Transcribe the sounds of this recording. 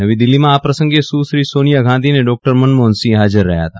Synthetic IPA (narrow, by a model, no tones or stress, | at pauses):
nɐʋid̪ɪlːimãaːpɾɐsə̃ŋɡesuːʃɾiːsoːnijaɡʱãːd̪ineɖɔːk̚ʈəɾmɐnmoːnsiɦaːd͡ʒɪɾːɛɦja̰t̪ʰaː